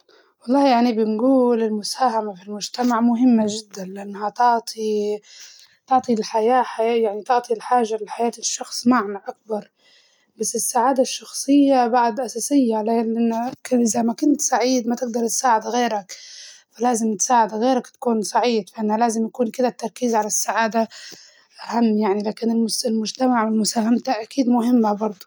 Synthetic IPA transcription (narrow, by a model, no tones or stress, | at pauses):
wɑlˤːɑːhjaʕnibɪnɡuːlɪlmʊsaːhamafilmʊd͡ʒt̪amaʕmʊɦɪmːaʒɪd̪ːanlɪʔanːhat̪ɑʕt̪ˤʰi | t̪ɑʕt̪ˤilħajaːħaajaʕnit̪ʊʕt̪ˤʰilħaːʒalɪħajaːt̪ɪʃːɑxsˤmaʕmaʔak̚bɑɾˤ | basːɪsːaʕaːd̪aʃːɑxsˤɨjːabaʕd̪ʔasaːsɪjːalalʔɪnːakʔɪzamakʊnt̪saʕiːd̪mat̪ɪɡ̚d̪ɑɾˤt̪saːʕɪd̪ɣeːɾakfalaːzɪmt̪saːʕɪd̪ɣeːɾakt̪ḁkuːnsˤɑʕiːd̪faʔɪnːhalaːzɪmjakuːnkɪd̪at̪ːɑɾˤkiːzʕalasːaʕaːd̪a | ʔahamːjaʕnilaːkɪnɪlsɪlmʊd͡ʒt̪amaʕɪnmʊsaːhamt̪aʔakiːd̪mʊɦɪmːabɑɾˤd̪ˤu